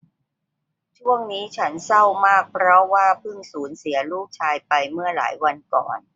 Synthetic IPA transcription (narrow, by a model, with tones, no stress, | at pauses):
t͡ɕʰu˥˩əŋniː˦˥t͡ɕʰa˦˥nsa˥˩wmaː˥˩k̚pʰɾɔ˦˥waː˥˩pʰɯ˥˩ŋsuː˩˦nsi˩˦ɐluː˥˩k̚t͡ɕʰaː˧jpa˧jmɯ˥˩əla̰ː˩˦jwa˧nkɔ̰ː˨˩n